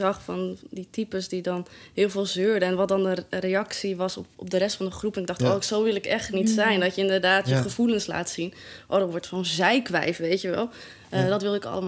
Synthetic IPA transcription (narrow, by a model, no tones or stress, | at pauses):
ɑχfɑnditipəsdidɑnɦɪːlˠvɪːlˠzøːɹdəɛnʋɑt̚dɑndərejɑksiʋɑsɔpɔ̰p̚dərɛstfɑndəχrupənɪɡ̚dɑχtɔɪksowʋɪlˠɪkɛχtnitsɛjndɑtjəɪndəɹdaːtjəχəvulənsla̰ːtsinʔɔdɔʋɔɹtfonzɛjkʋɛ̰jfʋejtjəʋɛlˠ | dɑtʋɪlˠdɪkɑ̰ləm